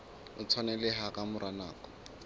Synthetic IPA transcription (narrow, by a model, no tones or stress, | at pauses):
ʊt͡sʰwanɛlɪɦakamʊɾanaːkɔ̥